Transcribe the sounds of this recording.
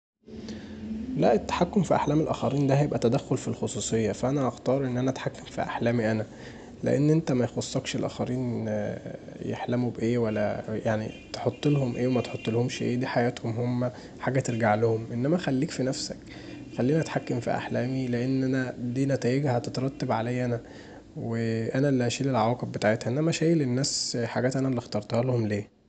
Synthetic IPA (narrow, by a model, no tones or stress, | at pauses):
læʔet̪ːḁħakːomfiʔa̰ħlæːmelʔæ̰xæɾiːnd̪æhæjebʔæt̪æd̪æxːolfilxosˤuːsˤejːɑfæʔænæʔɑxt̪ɑːɾˤʔenːʔænæʔæt̪ħakːæmfḭʔa̰ħlæːmiʔænæ | lḛʔḛnːʔent̪æmæjxosˤːɑkʃelʔæ̰ːxæɾiːn | jḛħlæmubʔeːwælːæ̰jaʕnḭt̪eħot̪ˤːelhomʔeːwemæt̪ħot̪ˤːelhomʃʔeːd̪iːħajæːt̪homhomːæ | ħaːɡæt̪eɾɡaʕlohomʔenːæmæxælːiːkfinæfsæ̰k | xælːiːnæʔæt̪ħakːemfḭʔa̰ħlæːmileʔenːʔænæd̪iːnæt̪æːjeɡhæt̪et̪ɾˤɑt̪ːebʕalæjːʔænæ | weʔænælːæʃiːlelʕawæːqebbet̪aʕet̪hæʔenːæmæʃæːjelenːæːsħaɡæːt̪ʔænælːixt̪ɑɾˤt̪ɑhɑlhomleː